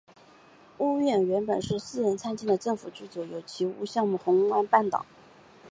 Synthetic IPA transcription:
u˥˧ɥɛ˥˩nɥɛ˧˥npə˨˩nʂɻ̩˥˧sɹ̩˥˩ɻə˧˥nt͡sʰa˥nt͡ɕi˥˩d̪ə˩ʈ͡ʂɤ˥˩ŋfu˨˩t͡ɕy˥˩t͡sɔ˧˩ʊjo˨˩ʊt͡ɕʰi˧˥ṵ˧˥ɕjɑ˥˧ŋmu˥˩xʊ˧˥ŋwa˥npa˥˩nt̪ɑ̰˨˩˦

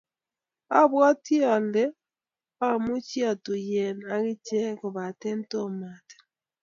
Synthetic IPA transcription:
a˦βwa˦ti˦a˨lɛ˦ | a˦mu˦t͡ʃja˨to˨jɛ˨na˦ɣi˦t͡ʃe˦ko˨βa˨te˦n˦to˦ma˨te̥˨

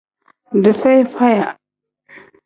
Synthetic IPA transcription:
də˨fe˦jfa˦ja˨

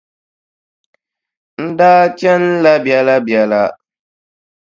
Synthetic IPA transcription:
n̩˦daː˦t͡ʃɛ˦n˦la˦bɛ˨la˦bjɛ˨la˦

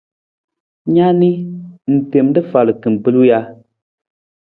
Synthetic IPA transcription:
ɲa˦ni˦n̩˨te˨m˦dɨ˦fa˨lɨ˨kɨ˨m̩˨pɨ˦lu˦ja˦

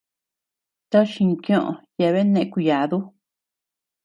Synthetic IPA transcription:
t̪a˦ʃĩ˧kjõ˦ʔõ̰˨ja˧˨˧βe˦nẽ˧ʔku˧ja˨ðu˦

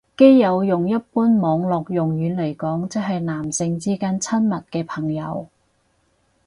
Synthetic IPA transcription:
ke˥jːɐ˨˧wjʊ˨ŋjɐ˥t̚puː˥nmɔː˨˧ŋlɔː˨k̚jʊ˨˩ŋjyː˨˧nle˨˩jkɔː˨˥ŋt͡sɪ˨˥ɦɐ˨jnaː˨˩msɪ˧ŋt͡siː˥kaː˥nt͡sʰɐ˥nmɐ˨t̚kɛː˧pʰɐ˨˩ŋjɐ˨˧w

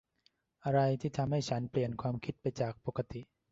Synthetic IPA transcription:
ʔa˧ɾa˧jt̪ʰiː˥˩t̪ʰa˧mha˥˩jt͡ɕʰa˦˥npli˨˩ənkʰwaː˧mkʰi˦˥t̪̚pa˧jt͡ɕaː˨˩k̚po˨˧˥ka˧t̪i˨˩ʔ

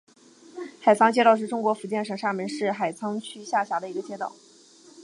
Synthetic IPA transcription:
xa˨˩ɪt͡sʰɑ˥ŋt͡ɕjɛ˥t̪ɑ˥˧ʊʂɻ̩˥˩ʈ͡ʂʊ˥ŋkwɔ˧˥fu˧˥t͡ɕjɛ˥˩nʂɤ˨˩ŋʂa˥˩mə˧˥nʂɻ̩˥˩xa˨˩ɪt͡sʰɑ˥ŋt͡ɕʰy˥ɕja˥˩ɕja˧˥d̪ə˧i˧˥ɡə˧t͡ɕjɛ˥t̪ɑ˥˩ʊ

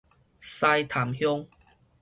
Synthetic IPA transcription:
sa˧jt̪ʰa˨˩mhjɔ˦˧ŋ

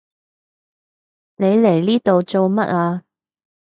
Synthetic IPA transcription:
ne˨˧jle˨˩jliː˥t̪o˨wt͡so˨wmɐ̰˦˥t̚aː˧

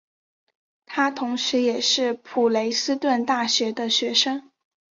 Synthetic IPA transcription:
t̪ʰa˥t̪ʰʊ˧˥ŋʂɻ̩˧˥jɛ˨˩ʂɻ̩˥˩pʰu˨˩le˧˥ɪsɹ̩˥t̪wə˥˧nt̪a˥˩ɕɥɛ˧˥d̪ə˧ɕɥɛ˧˥ʂɤ˥ŋ

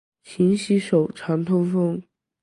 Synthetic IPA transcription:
ɕʰi˧˥ŋɕi˧˥ʂo˨˩ʊʈ͡ʂʰɑ˧˥ŋt̪ʰʊ˥ŋfɤ˥ŋ

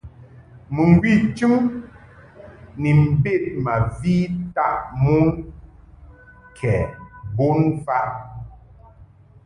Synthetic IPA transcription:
mɨ˨ŋ˨ɡwi˦˨t͡ʃi˦m | ni˨m̩˨be˦˨t̚ma˨vi˦ta˦˨ʔmu˦n | kʰɛ˨bo˦nfa˦

